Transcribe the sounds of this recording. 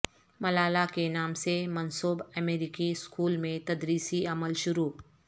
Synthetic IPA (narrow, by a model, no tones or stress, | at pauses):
mɐlaːlakenaːmsemənsoːbɛmeːɾɪkiskuːlmẽt̪ɐd̪ɾiːsiɐməlʃʊɾuː